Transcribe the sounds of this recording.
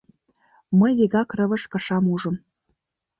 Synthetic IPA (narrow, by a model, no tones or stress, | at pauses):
məjɣeɣɑkrə̆βə̆ʃkɤ̆ʃɑmuʒə̆m